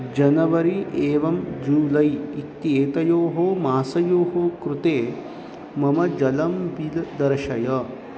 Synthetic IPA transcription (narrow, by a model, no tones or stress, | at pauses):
d͡ʒɐnɐʋɐɾiʔeːʋɐmd͡ʒuːlɐjikt̪ːieːt̪ɐjoːɦomaːsɐjoːɦoːkɾut̪eː | mɐmɐd͡ʒɐlɐmʋild̪ɐɾʃɐjɐ